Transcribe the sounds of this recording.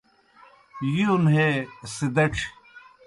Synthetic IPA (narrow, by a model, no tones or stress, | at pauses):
jiunɦesid̪ɐʈ͡ʂʰ